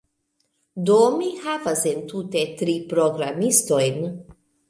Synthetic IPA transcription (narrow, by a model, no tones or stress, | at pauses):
d̪omihavasent̪ut̪et̪ɾipɾoɡɾamist̪ojn